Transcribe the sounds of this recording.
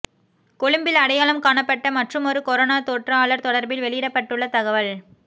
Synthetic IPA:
kɔɭɯmbɪlɐɽɐjaːɭɐmkaːɳɐpːɐʈːɐmɐʈrɯmɔɾɯkɔɾoːnaːt̪oːʈrɐaːɭɐɾt̪ɔɽɐɾbɪlʋɛɭɪjɪɽɐpːɐʈːɯɭːɐt̪ɐɣɐʋɐɭ

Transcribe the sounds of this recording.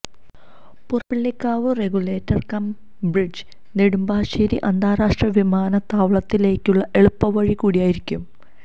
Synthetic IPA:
purbiɭːikːaːʋɨreɡule̞ːtːɐrkɐm | brid͡ʑ | neɽumbaːɕiːɾiʔɐnd̪ʱaːɾaːʂʈrɐʋimaːnɐt̪aːʋɭɐt̪ːile̞ːkʲːuɭːɐʔe̞ɭupːɐʋɐɻikuːɽijaːjiɾikʲːum

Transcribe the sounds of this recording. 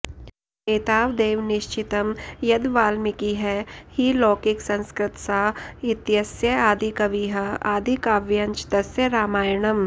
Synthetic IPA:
eːt̪aːʋd̪eːʋnɪʃt͡ʃɪt̪ɐmjɐd̪ʋaːlmikiɦɛhiloːkiksɐ̃nskɾɪt̪saɪt̪jɐsjɐaːd̪ʱikɐʋiːɦɐaːd̪ʱikaːʋjɐnt͡ʃt̪ɐsjɐɾaːmaːjɳɐm

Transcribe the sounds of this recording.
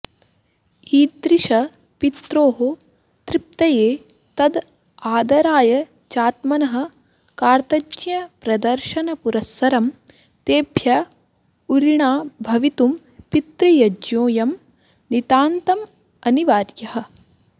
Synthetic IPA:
iːd̪ɾiʃɐ | pit̪ɾoːɦo | t̪ɾip̚t̪ɐjeː | t̪ɐd̪ | aːd̪ɐɾaːjɐ | t͡ʃaːt̪mɐnɐɦɐ̆ | kaːɾt̪ɐd͡ʒjɐpɾɐd̪ɐɾʃɐnɐpuɾɐsːɐɾɐm | t̪eːbʱjɐ | uɾiɳaːbʱɐʋit̪um | pit̪ɾɐjɐd͡ʒjoːjɐm | nit̪aːnt̪ɐm | ɐniʋaːɾjɐɦɐ̆

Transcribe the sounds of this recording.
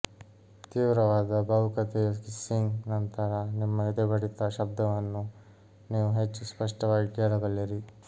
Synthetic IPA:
t̪iːʋɾɐʋaːd̪ɐbʱɐʋukɐt̪ejɐkisiŋɡnɐnt̪ɐɾɐnimːɐid̪ebɐɽit̪ːɐʃɐb̚d̪ʱɐʋɐnːu | niːʋuɦet͡ʃːuspɐʂʈɐʋaːɡiɡeːlɐɡɐlːiɾi

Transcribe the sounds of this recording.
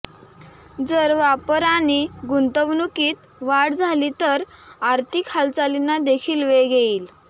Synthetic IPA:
d͡zəɾʋapəɾaɽ̃iɡunt̪əʋnukiːt̪ | ʋaɽd͡zʱalit̪əɾaɾt̪ʰikʰalt͡salinad̪ekʰiːlʋeɡeiːl

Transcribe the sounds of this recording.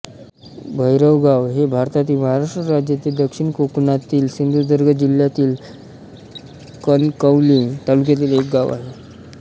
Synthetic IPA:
bʱəjɾəʋɡaʋɦebʱaɾt̪at̪iːlməɦaɾaʂʈɾəɾad͡ʑjat̪iːld̪əkʂiɳkoknat̪iːlsind̪ʱud͡zəɾɡəd͡ʑiljat̪iːl | kənkəʋlit̪aluk̬jat̪̬iːlek̚ɡaʋa̰ɦe

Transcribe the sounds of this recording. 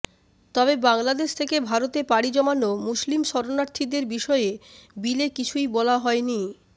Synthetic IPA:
t̪ɔbebaŋlad̪eʃt̪ʰekebʱaɾot̪epaɽid͡ʑɔmanːomuslimʃɔɾonaɾt̪ʰid̪eɾbiʃɔeebilekit͡ɕʰujbɔlaɦɔeni

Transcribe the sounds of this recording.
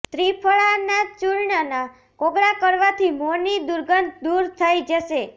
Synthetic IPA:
t̪ɾipʰəɭanat͡ʃuɾɳana | koɡɾakəɾʋat̪ʰimonid̪uɾɡənt̪̚d̪uɾt̪ʰəjd͡ʒəʃe

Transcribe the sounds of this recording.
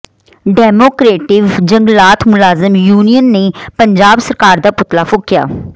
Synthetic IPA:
ɖɛːmoːkɾeːʈɪʋd͡ʒəŋɡlaːt̪ʰmʊlaːzɪmjuːnijənːeːpəɲd͡ʒaːbsəɾkaːɾd̪aːpʊt̪laːfʰʊkːja̰ː

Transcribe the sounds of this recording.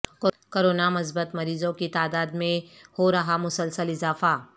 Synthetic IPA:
k | koːɾoːnamʊs̬bət̪mɐɾiːzõkit̪aːd̪aːd̪mẽhoɾɐɦamʊsəlsəlɪzaːfa

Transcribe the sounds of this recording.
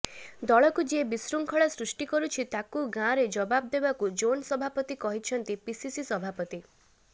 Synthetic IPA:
d̪ɔɭɔkud͡ʒebisɾuŋkʰɔɭasɾusʈikɔɾut͡ʃʰit̪akuɡãɾed͡ʒɔbab̚d̪ebakud͡ʒonsɔbʱapɔt̪ikɔɦit͡ʃʰɔnt̪ipisisisɔbʱapɔt̪i

